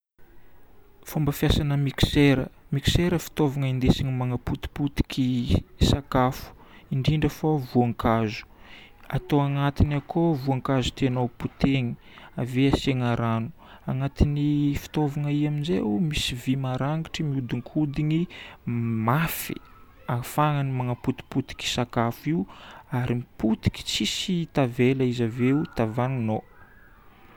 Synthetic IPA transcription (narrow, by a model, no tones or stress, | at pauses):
fombəfijasanəmiki̥seɾəmiki̥seɾəfi̥t̪ovaŋəind̪esiɲimaŋaput̪i̥put̪i̥kʲʰisakafu̥iɳɖ͡ʐiɳɖ͡ʐəfovuaŋkazu̥a̰t̪owaŋat̪inakʰovuaŋkazu̥t̪enowput̪eɲi̥ | aveaseŋaɾanu̥ | aŋat̪inifi̥t̪ovaŋaiaminzḛumisivimaɾaŋɡiʈ͡ʂimiud̪iŋkʰud̪ini | mafḭ̥ | afaŋanimaŋaput̪i̥put̪i̥kʲi̥sakafiuaɾimiput̪i̥kʲi̥t͡sisit̪aveləizaveut̪avanino